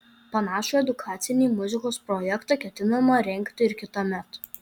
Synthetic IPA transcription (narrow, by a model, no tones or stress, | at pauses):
pɐnɑːʃuɛd̪ʊkʰɑːt̪sʲɪnʲiːmʊzʲɪkoːspɾɔjɛkt̪ɑˑkʲɛt̪ʲɪnɐmɐɾʲɛŋʲkt̪ʲɪɪɾkʲɪt̪ɐmʲɛt̪